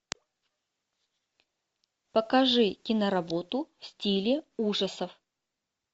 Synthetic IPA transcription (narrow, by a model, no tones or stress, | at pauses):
pəkɐʐɨkʲɪnəɾɐbo̞t̪ʊfsʲtʲilʲɪuʐəsəf